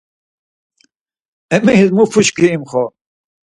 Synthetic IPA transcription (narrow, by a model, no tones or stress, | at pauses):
ɛmizmupʰut͡ʃkʰiːmχɔ